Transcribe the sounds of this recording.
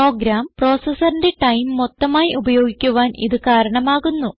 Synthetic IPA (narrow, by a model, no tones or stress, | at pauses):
o̞ːɡɾaːmpro̞ːsɐsɐrinde̞ʈɐjmːot̪ːɐmaːjiʔubɐjo̞ːɡikʲːuʋaːnḭðɨkaːɾɐɳɐmaːɣunːu